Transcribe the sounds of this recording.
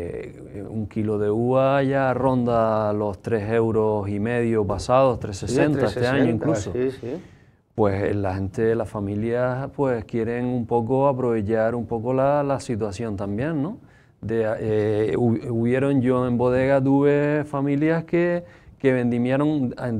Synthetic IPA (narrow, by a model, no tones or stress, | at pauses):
ṵŋkilo̞ðe̞uβaʝaro̞nd̪alo̞st̪ɾe̞se̞wɾo̞sime̞ðjopasaðo̞ht̪ɾesesẽnaet̪eaɲoĩŋkluso | pwe̞slahẽ̞nt̪e̞lahfamiljaspwe̞skje̞ɾe̞ŋumpo̞koapɾo̞βe̞t͡ʃaɾumpo̞ko̞lalasit̪̬wasjõ̞nt̪ambjẽ̞nno̞ | d̪ee | uβje̞ɾo̞ŋɟ͡ʝo̞ẽ̞mbo̞ðe̞ɣat̪̬uβe̞famĩljahkeke̞βẽ̞nd̪imjeɾo̞ŋ